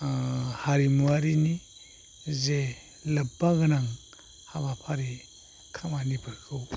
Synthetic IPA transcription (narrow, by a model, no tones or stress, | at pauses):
haɾimuaɾini | ze | lɐbaɡɯnaŋ | habapʰaɾi | kʰamanibɯɾkʰɯw